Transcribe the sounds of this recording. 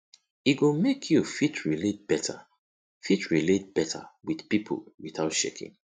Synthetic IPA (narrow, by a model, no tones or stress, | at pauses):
iɡomekʰjufitʰɹilet̚b̥ɛtʰa̰ | fitʰɹilet̚b̥ɛtʰa̰wið̥pipʰo̰lwiθaʊtʃḛkḭ̃ŋ